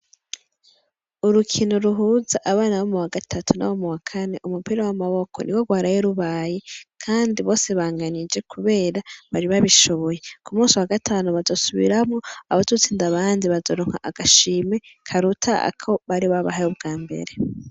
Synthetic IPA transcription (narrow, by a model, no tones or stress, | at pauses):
uɾukʰinoɾuɦuːzaʔaβaːnawomuwaɡatʰatʰuna̰womuwakʰane̞ʔumupiɾowamaβo̞kʰo̞̰nḭɡwoɡwaːɾajeɾuβaːje̞kʰaːndiβo̞ːseβaːŋɡanid͡ʒe̞kʰuβe̞ːɾaβaɾiβaβiʃo̞βo̞je̞kumuːsiwaɡatʰaːnuβazo̞suβḭɾamŋo̞aβazut͡siːndaβaːndiβazoɾoŋ̥ha̰ʔaɡ̥aʃiːme̞kʰaɾutʰaa̰kʰo̞βaɾiβaβa̰ɦajubɡaːmbe̞̰ɾe̞